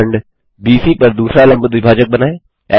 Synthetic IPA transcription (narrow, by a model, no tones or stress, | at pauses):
əɳɖ | biːsipɐɾd̪uːsɾalɐ̃mbd̪ʋɪbʱaːd͡ʒək̚bɐnaːeː | ɛ̰ː